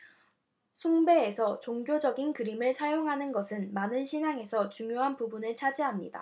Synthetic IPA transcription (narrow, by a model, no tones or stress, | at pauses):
sʰuŋbe̞ːsʰʌt͡ɕoŋɡjod͡ʑʌɡinkɯɾimɯɭsʰajoŋɦanɯnɡʌsʰɯnmanɯnɕʰinaŋe̞sʰʌt͡ɕuŋjoɦanpubunɯɭt͡ɕʰad͡ʑiɦamɲḭda̰